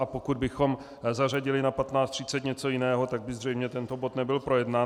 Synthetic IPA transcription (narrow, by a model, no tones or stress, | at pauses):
ʔapo̞kud̪bɪxo̞m | zar̝aɟɪlɪnapat̪naːt͡st̪r̝̥ɪt͡sɛt̪ɲɛt͡so̞jɪnɛːɦo̞t̪aɡ̚bɪzr̝ɛjmɲɛt̪ɛnt̪o̞bo̞t̪nɛbɪlpɾo̞jɛdnaː